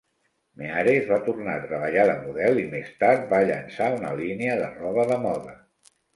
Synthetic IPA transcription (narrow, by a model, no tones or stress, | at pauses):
meaɾezβat̪urnat̪ɾəβ̞əʎaðəmuðɛlˠimest̪aɾt̪̚baʎə̰nsaunə̰liniəðərɔβ̞əðəmɔðə